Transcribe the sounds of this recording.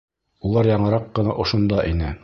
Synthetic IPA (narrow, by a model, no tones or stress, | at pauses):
ulˠɑɾjɑɴɤ̆ɾɑqːɤ̆nɑʔŏʃŏnd̪ɑʔinɘ